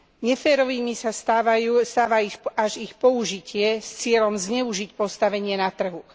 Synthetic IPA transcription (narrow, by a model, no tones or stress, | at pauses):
ɲɛfɛːɾɔʋiːmisast̪aʋajust̪aːʋaixaʒixpɔuʒicʰɪɛst͡sɪɛʎɔmzɲɛuʒicpɔst̪aʋɛɲɪɛnat̪r̩ɦu